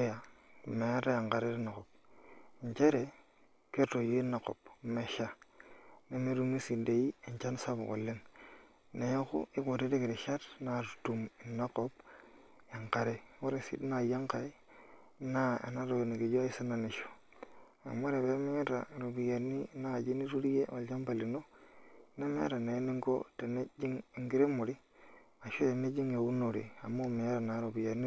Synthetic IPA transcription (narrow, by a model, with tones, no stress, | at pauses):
ja˨me˨a˦ɾa˦ja˨ŋka˨ɾe˦ɾi˦na˨ko˨p̚ɲt͡ʃe˦ɾe˨ | ke˦to˨je˦na˨ko̰˨pme˨ʃa˦ | ne˦me˦ɾu˦mi˦si˨de˨i˦e˨ɲt͡ʃa˦n˦sa˦bo̰˨ko̰˨lːe˦n | ne˨jkṵ˦i˦ko˨ɾe˦ɾe˦ki˨ɾi˨ʃa˦tna˨ɾtu˨mi˨na˦ko˦b̚ | ja˨ŋka˨ɾe˦wo˦ɾe˨sḭ˦dna˨ja˦ŋka˨i˦ | na̰˦˨na˦ɾo˨ni˨ɡi˨d͡ʒo˦i˦sa˦na˨ni˨ʃo̥˨ | a̰˨mo˦ɾe˨be˨˦me˦ɲe˦ɾa̰˨ɾo˨bi˨ja˨ni˦na˦˨d͡ʒi˦ni˦ɾu˦ɾi˦je˦wa˨ld͡ʒa˦mpa˨li˨no˦˨na˦mḛ˦ɾa˨ne˨˦ni˦ŋko̰˦te˨ne˦d͡ʒi˦ŋ˨ŋɡi˦ɾe˦mo˨ɾi˦ | a˨ʃo˦e˨ne˦d͡ʒi˦ŋja˨wu˦no˨ɾḭ˨a˨mːo˦˨me˨ɲe˦ɾa˨na˨ɾo˨bi˨ja˨ɾni˦